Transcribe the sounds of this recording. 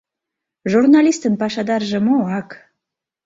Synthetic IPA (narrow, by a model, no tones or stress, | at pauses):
ʒurnɑlʲist̪ənpɑʃɑd̪ɑrʒĕmoɑk